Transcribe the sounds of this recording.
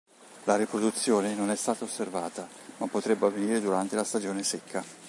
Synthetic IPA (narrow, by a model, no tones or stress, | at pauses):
laɾipɾod̪ut̪sːjoːnenonɛst̪aːt̪aosːervaːt̪a | mapːot̪ɾɛbːavːeniːɾed̪uɾant̪elast̪ad͡ʒoːnesekːa